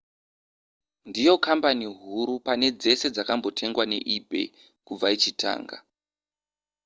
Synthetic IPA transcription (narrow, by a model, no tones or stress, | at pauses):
ndijo̞kampaniɦuɾupane̞d͡ze̞se̞d͡zakambo̞tʰe̞ŋɡwane̞̰ʔibʱe̞̰ | kub͡vait͡ʃitʰa̰ːŋɡa̰